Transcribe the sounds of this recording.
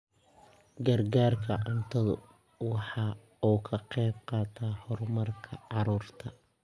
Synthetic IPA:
ɡɐrɡaːrkʰɐʕʊnt̪ʰɐðʊ̰ | wɑħɑː | uːkʰɐqɛjbqɑːt̪ʰaːhɔrmɐrkʰɐʕɑɾuːrt̪ʰɐ

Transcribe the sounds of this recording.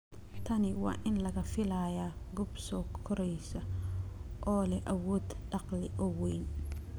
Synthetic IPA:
t̪ʰɐnɪwɑ̰ːʔɪnlɐɣɐfɪlaːjaɡʊbsɔːkʰɔɾɛjsɐ | ʔɔːlɛʔɐwɔːd̪ɖɑqlɪʔɔwɛjn

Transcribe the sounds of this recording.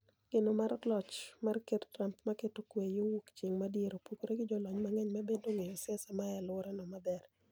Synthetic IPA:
ɡ̥ɪnomaɾlɔt͡ʃmarkettɾampmaketokwejowukt͡ʃeŋmadjeɾopukoɾeɡɪd͡ʒɔlɔɲmaŋɛɲmabedoŋejɔsɪɛsamajalʊɾanɔmad̪ɛr

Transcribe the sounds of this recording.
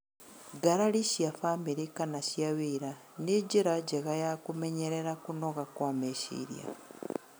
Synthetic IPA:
ɡaɾaɾiʃjafamiɾikanaʃjaβiːɾa | niɟiɾaɟeɣajakumeɲeɾeɾakunoɣakwameʃḭɾja̰

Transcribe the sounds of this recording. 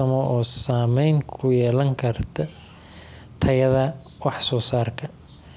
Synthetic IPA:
ɐmɔʔɔːsaːmɛjŋkʰʊjɛːlɐŋkʰɐrt̪ʰɐ | t̪ʰɐjɐðɐ | wɑħsɔːsaːrkʰɐ

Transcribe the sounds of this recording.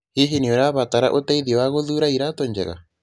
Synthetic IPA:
heɦeniɔɾaβataɾa̰ʔotɛiðiɔwaɣoðuɾaiɾatɔɲd͡ʒɛ̰ɣa̰

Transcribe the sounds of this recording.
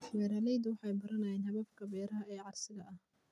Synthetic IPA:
wɛːɾɐlɛjd̪wɑħɑjbɐɾɐnɐjɛhɐβɐbkʰɐbɛːɾɐɦɐɛːʕɑrsɪɣɐʔɐh

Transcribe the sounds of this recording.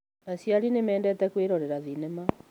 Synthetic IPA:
nasjaɾinemɛːndɛtɛkweɾɔɾɛɾaðinɛma

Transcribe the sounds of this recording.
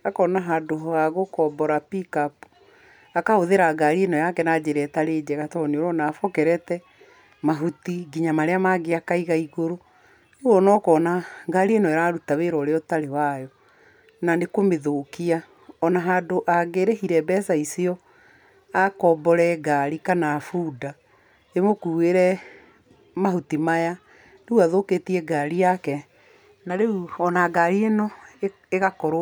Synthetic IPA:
akɔnaɦadoɦɔaɣokɔːbɔɾapikapu̥ | akahoðeɾaɡaɾienɔjakɛnad͡ʑeɾɛtaɾeːd͡ʑɛɣatɔneoɾɔnaːfɔkɛɾɛtɛ | maɦutiɡiɲamaɾeamaɣeakaiɣaiɣoɾo | neɣɔnɔkɔnaɡaɾienɔɛɾaːɾutaweɾɔɾeɔtaɾewajɔ | nanekomeðoːkia | ɔnaɦaːdoʔaɡeɾehiɾɛbɛsaisiɔ | akɔːbɔɾɛɡaɾikanafuːda | emokuːeɾɛ | maɦutimaja | neuaðoːketiɛɡaɾiakɛ | naɾeuɔnaɡaɾienɔ | eɣakɔɾo

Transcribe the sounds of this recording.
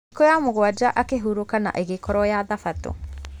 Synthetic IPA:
kɔjamoɣwad͡ʒaʔakeɦuɾukana̰ʔeɣekɔɾɔjaðafato̰

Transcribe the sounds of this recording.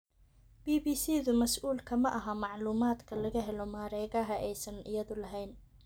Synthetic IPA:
b̥iːbiːsiːðʊmɐsʔuːlkʰɐmɐʔɐɦɐmɑʕluːmaːd̪kʰɐlɐɣɐɦɛlɔmaːɾɛːɣɐɦɐʔɛjsɐnʔɪ̰jɐðʊlɐɦɛjn

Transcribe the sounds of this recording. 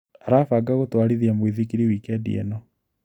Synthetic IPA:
aɾafaɡaɣotwaɾiðiamwiðikiɾiwiːkɛdḭɛ̰nɔ

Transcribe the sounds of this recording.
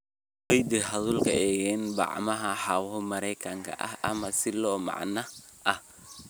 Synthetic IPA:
wɛjd̪ɪɦɐðulkʰɐɛːɣɛnbɑ̰ʕmɐɦɐħɑwmɐɾɛjkʰɐŋkʰɐ̰ʔɐ̰hʔɐ̰mɐsɪlɔːmɑ̰ʕnɐ | ʔɐh

